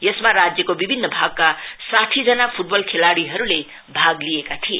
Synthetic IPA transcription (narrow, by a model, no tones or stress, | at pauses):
jesmaɾad͡zjʌkobibʱinːʌbʱaɡ̚kasaʈʰid͡zʌnapʰuʈ̚bʌlkʰelaɽiɦʌɾule | bʱaɡlijekat̪ʰiḛ